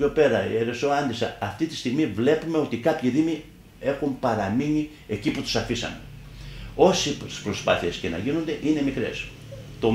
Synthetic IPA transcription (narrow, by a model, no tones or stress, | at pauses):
ope̞ɾɐieɾesoɐnd̪isɐɐft̪it̪i̥st̪iɣmivle̞pume̞o̞t̪ikɐpçiðimi | e̞xumpɐɾɐmini | e̞ciput̪u̥sɐfisɐ̰n | o̞si̥spɾo̞spɐθie̞scenɐ̰ʝinond̪e̞ʔine̞mikɾe̞̰s | t̪o̞